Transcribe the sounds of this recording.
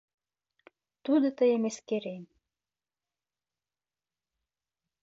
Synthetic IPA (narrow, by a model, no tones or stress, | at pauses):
t̪ud̪ot̪əjemeskeɾen